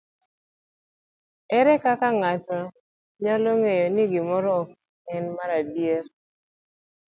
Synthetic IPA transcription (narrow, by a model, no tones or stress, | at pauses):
ɛɾɛkakaŋatɔ | ɲɔloŋejoniɡɪmɔɾɔːk̚ | ɛnmaɾadjer